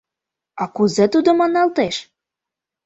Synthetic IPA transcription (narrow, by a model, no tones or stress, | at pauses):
ɑkuzet̪ud̪ŏmɑnːɑlt̪eʃ